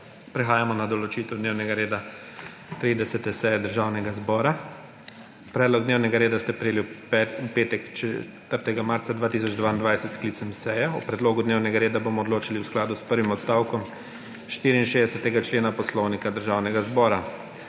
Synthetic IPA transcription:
pɾɛxaːjamɔnad̪ɔlɔt͡ʃiːt̪ɛwd̪neːwnɛɡaɾeːd̪a | t̪ɾid̪ɛsɛt̪ɛsɛjɛd̪əɾʒaːwnɛɡazbɔːɾa | pɾɛːd̪lɔɡd̪neːwnɛɡaɾeːd̪ast̪ɛpɾɛeːlipɛupeːt̪ɛkt͡ʃɛ | t̪əɾt̪ɛɡamaɾt̪sad̪ʋaːt̪iːs̬ɔd͡ʒd̪ʋaːind̪ʋajsɛt̪skliːt̪sɛmsɛjɛṵpɾɛd̪loːɡud̪neːwnɛɡaɾeːd̪abomɔd̪loːt͡ʃiliwsklaːd̪uspəɾʋimɔt̪st̪aːwkɔm | ʃt̪iːɾiinʃeːd̪ɛsɛt̪ɛɡat͡ʃleːnapɔslɔwnikad̪əɾʒawnɛɡazbɔːɾa

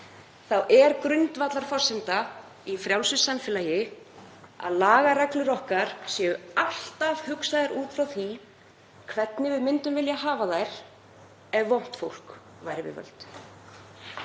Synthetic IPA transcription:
θawʔɛɾkɾʏnt̪vat̪laɾ̥fɔr̥sɪnt̪a | ifɾjaw̪sʏsːamfɪlaːjɪ | a̰ðlaːɣaɾaklʏɾɔhkaɾ̥sjɛːʏal̥t̪av̥hʏksaðɪɾuːt̪fɾawθi | kʰvɛt̪nɪvɪðmɪnt̪ʏmvɪljaɦaːvaðajɾ̥ | ɛvːowm̥t̪fowl̥k | vajɾɪvɪ̰vœ̰lt̪

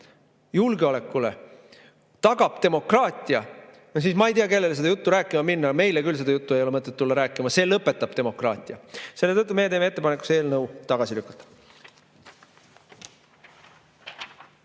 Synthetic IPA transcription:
julɡeole̞kːulḛ | t̪ɑɡ̥ɑb̥t̪e̞mo̞krɑːt̪ʲˑiɑ | s̬iːsmɑejt̪iɑke̞lːe̞ls̬e̞d̪ɑjut̪ːuɾæːkːˑimɑminːɑme̞jlekylse̞d̪ɑjut̪ːue̞jo̞le̞mɤt̪ːˑet̪ːulːɑɾæːkːˑimɑse̞ːlɤpːˑe̞t̪ːˑɑb̥t̪e̞mo̞krɑ̰ːt̪ʲˑiɑse̞lːe̞t̪ɤt̪ːˑume̞jet̪e̞ːmeet̪ːˑepɑnekːˑu̥se̞ːlnɤwt̪ɑɡ̥ɑsilykːˑɑ̥t̪ˑːɑ̥

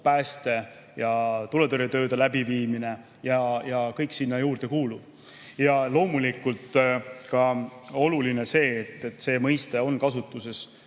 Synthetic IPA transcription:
pæːst̪e̞ | jɑt̪ulet̪oɾit̪ø̞ːd̪elæbiviːmine̞ | jɑjɑkɤjksinːɑjuːrd̪̥e̞kuːlu̥ | jɑlo̞ːmulikːult̪kɑo̞luline̞se̞ːt̪ːe̞t̪ːˑse̞ːmɤjst̪e̞o̞nkɑsut̪ːˑuse̞s

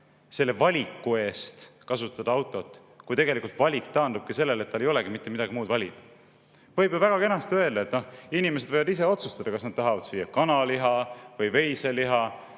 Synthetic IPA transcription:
se̞lːe̞vɑlʲikːˑue̞ːst̪kɑsut̪ːˑɑd̪̥ɑɑwt̪ːˑo̞t̪ːˑ | kujt̪eɡe̞likult̪vɑlʲikt̪ɑːnd̪ub̥̚kise̞lːelet̪̚ːɑlːe̞jo̞le̞ɡ̥imit̪ːˑe̞mid̪̥ɑɡ̥imuːd̪vɑlʲid̪̥ɑ | vɤjbjovæɡ̥ɑke̞nɑst̪ø̞e̞ld̪ɑet̪nohinimes̬e̞d̪vɤjvɑd̪is̬e̞o̞t̪sust̪ɑd̪̥ɑkɑsnɑd̪̚t̪ɑɦɑvɑd̪̥sijːɑkɑnɑliɦɑvɤjve̞jse̞liɦɑ

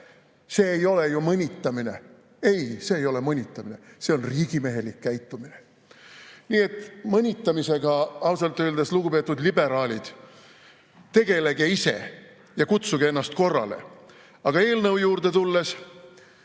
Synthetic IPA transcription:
se̞ːjo̞le̞jumɤnʲit̪ːˑɑmine̞̰ | e̞jse̞ːjo̞le̞mɤnʲit̪ːˑɑmine̞̰se̞o̞nriːɡ̥ime̞ɦe̞likːæjt̪ːˑumine | niːe̞t̪ːˑmɤnʲit̪ːˑɑmise̞ɡ̥ɑɑwsɑlt̪ːˑøːld̪esluɡ̥upe̞ːt̪ːˑud̪libe̞ɾɑːlʲid̪̥ | t̪e̞ɡe̞le̞ɡ̥e̞ise̞̰ | jɑkut̪suɡ̥ee̞nːɑst̪ko̞rːɑ̰lḛ | ɑɡ̥ɑe̞ːlnɤwjuːɾd̪̥e̞t̪ulːe̞s

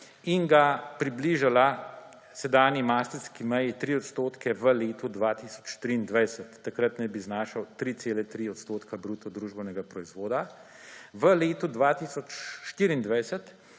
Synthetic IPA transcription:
inɡapɾibliːʒala | sɛd̪aːnjimaːst̪əɾskimɛjit̪ɾiːɔt̪st̪oːt̪kʰɛʋəleːt̪ud̪ʋat̪iːsɔ̥t͡ʃʃt̪ɾiːnd̪ʋɛjsɛt̪ːakɾət̪najbiznaːʃawt̪ɾiːt̪seːlɛt̪ɾiːɔt̪st̪oːt̪kʰabɾuːt̪ɔd̪ɾuːʒbɛnɛɡapɾɔizʋoːd̪a | ʋəleːt̪ud̪ʋaːt̪iːsɔt͡ʃʃt̪iːɾiːnd̪ʋɛjsɛt̪

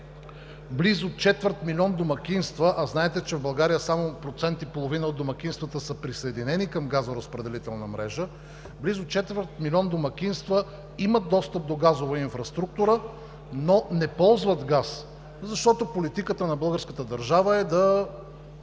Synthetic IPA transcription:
blizot͡ʃɛt̪vəɾt̪milʲiɔnd̪omɐk̟ʲinst̪vəʔɐznaɛt̪ɛt͡ʃɛvbəlˠɡaɾijəsamopɾot̪sɛnt̪ipolˠovinəot̪ːomɐkʲinst̪vət̪əsəpɾisəɛd̪inɛnikəmɡazoɾəspɾɛd̪ɛlit̪ɛlˠnəmɾɛ̰ʒə | blizʊt͡ʃɛt̪vəɾt̪milʲiɔnd̪omɐkʲinst̪və | imət̪̚d̪ɔst̪əp̚d̪oɡazovɐinfɾɐst̪ɾuk̚t̪uɾə | nonɛpɔlˠzvət̪ɡas | zɐʃt̪ɔt̪opolit̪ikət̪ənɐbɤlˠɡəɾskət̪əd̪əɾʒavəɛd̪ɐ

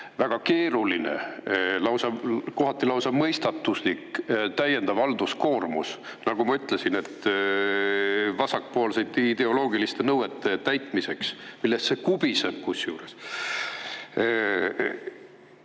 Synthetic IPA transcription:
væɡ̥ɑke̞ːɾulinḛlɑwsɑko̞ɦɑt̪ːˑilɑwsɑmɤjst̪ɑt̪ːˑusnikt̪æje̞nd̪̥ɑvɑld̪usko̞ːrmṵs | nɑɡ̥umɑyt̪ːˑle̞sine̞t̪ | vɑsɑk̚po̞ːlsejd̪id̪e̞o̞lo̞ːɡilist̪e̞nɤwet̪ːˑe̞t̪æjt̪ˑmise̞ksmilːe̞st̪se̞kub̥iseb̥̚kusjuːɾe̞s

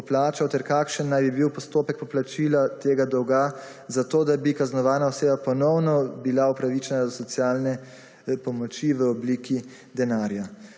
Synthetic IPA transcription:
ɔplaːt͡ʃawt̪ɛɾkakʃənːajbibiwpɔst̪oːpɛk̚pɔplat͡ʃilat̪eːɡad̪ɔwɡa | zat̪oːd̪abikaznɔʋaːnaɔseːbapɔnɔwnɔbilaupɾaʋit͡ʃɛnazasɔt̪sjaːlnɛ | pɔmɔt͡ʃiʋəɔbliːki | d̪ɛnaːɾja

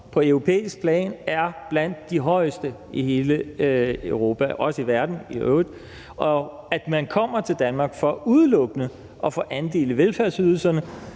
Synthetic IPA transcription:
pʰɒ̽øʊʁo̝pʰḛːisɡ̥̚pʰlɛ̰ːnæɐb̥læn̰d̥ːiɦɒ̽ɪ̰sd̥əiɦe̝ːləøʊʁo̝ːpʰæʔɒ̽səiʋæɐd̥n̩iø̰ʊðˠ | ɒ̽ | æd̥mænkʰɒ̽m̰ɐt͡sʰe̝ld̥ænmɑ̈ːɡ̥fɒ̽uð̞ˠlɔ̽ɡ̥ənə | ʔɒ̽fɒʔænd̥e̝̰ːləʋelfæɐsyð̞ˠl̩sɐnə

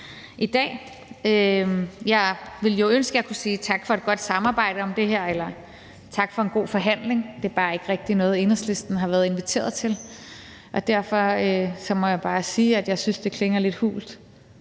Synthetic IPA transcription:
ʔid̥ɛ̰ː | øjɑ̈ɪʋe̝ljo̝ønsɡ̥əækʰusiːt͡sʰɑ̈ɡ̥fɒ̽e̝d̥̚ɡ̥ɒ̽d̥sɑ̈mɑ̈ːb̥ɑ̈ɪ̰ɾ̥əɒ̽md̥e̝ɦeɐ̰elɐ | t͡sʰɑ̈ɡ̥fɒ̽e̝nɡ̥o̝̰ːfɒ̽ɦæn̰le̝ŋd̥e̝æɐb̥ɑ̈ːe̝ɡ̥əʁɛɡ̥̚d̥inɔ̽ːð̞̩ˠe̝nɐsle̝sd̥n̩ɦɑ̈ʋæːɐð̞̩ˠe̝nʋit͡sʰe̝̰ːɐðˠt͡sʰe̝l | ʔɒ̽d̥æɐ̰fɒøsɒ̽mɒ̽jɑ̈b̥ɑ̈ːsiːæd̥jɑ̈ɪsynsd̥e̝kʰle̝ŋɐle̝d̥hṵːld̥

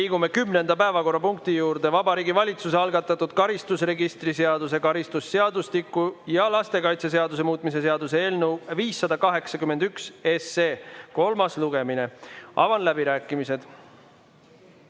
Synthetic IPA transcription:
iːɡume̞kymne̞nd̪̥ɑpæevɑko̞rːɑpuŋk̚t̪ijuːɾd̪̥e̞vɑbɑɾiːɡivɑlʲit̪suse̞ɑlɡɑt̪ːˑɑt̪ːˑud̪̥kɑɾist̪usre̞ɡist̪rise̞ɑd̪us̬e̞kɑɾist̪usːe̞ɑd̪ust̪ikːujɑlɑst̪e̞kɑjt̪ses̬e̞ɑd̪us̬e̞muːt̪ːˑmise̞se̞ɑd̪useeːlnewviːsːɑd̪ɑkɑɦe̞ksɑkymend̪ykse̞seːko̞lmɑsluɡ̥e̞mine̞ʔɑ̰vɑnlæbiɾæːkːˑimise̞d̪̥

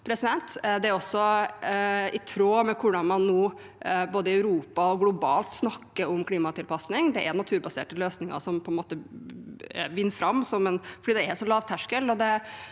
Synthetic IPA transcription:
pʰɾɛsɪd̪ɛnt̪d̪ɛæɾɔsːɔ | ɪt̪ʰɾoːmɛkʰʊɖɑnmɑnːuː | boːd̪əɪœʉɾuːpɑɔɡlʊbɑːlt̪snɑkːəɾɔmkʰliːmɑt̪ʰɪlpʰɑsnɪŋd̪ɛʔæɾnɑt̪ʰʉːɾbɑsḛːʈəløːsnɪŋɑ̰ʂɔmpʰɔɛnmoːt̪ə | ʋɪnːfɾɑmːsɔmɛnfɔɖiːd̪ɛɛʂɔlɑːʋt̪ʰæʂkəlɔd̪ɛ

